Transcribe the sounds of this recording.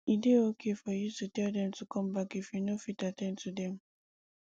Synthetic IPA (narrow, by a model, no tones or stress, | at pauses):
ideokʰefɔjututɛdɛ̃mtukʰɔ̃mbakefinofitatɛ̃ntʰudɛ̃m